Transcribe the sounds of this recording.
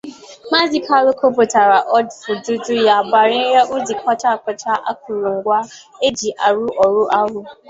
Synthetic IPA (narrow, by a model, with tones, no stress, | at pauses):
ma˦zi˨kʰa˦lʊ˦ko˦po˨ta˨ɾa˨ʔɔ˦dfʊ˨du˦du˦ja˨ba˨ɾɪ˦ja˦ʔu˦zi˨kʷa˦ta˦˨kɔ˨t͡ʃa˦ʔa̰˦k̚ʊ˨ɾu˨ŋ̩˨ɡʷa˦ | e˦d͡ʒi˨ʔa˨ɾu˦ʔɔ˨ɾʊ˦ʔa˦ɦʊ˦